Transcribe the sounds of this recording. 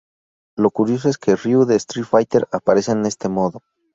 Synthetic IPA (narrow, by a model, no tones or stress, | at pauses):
lo̞kuɾjo̞s̬o̞e̞ske̞riuðest̪ɾifajt̪e̞ɾapaɾe̞sene̞st̪e̞mo̞ðo̞